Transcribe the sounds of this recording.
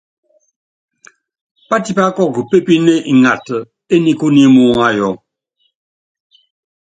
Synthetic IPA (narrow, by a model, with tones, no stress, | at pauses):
pa˦ti˦pa˦kɔ˦k̚ɡu˨pe˦pi˦ne˦ʔi˨ŋa˨tə˨ | e˦ni˦ku˦ni˦mu˦ŋa˦jɔ˨˦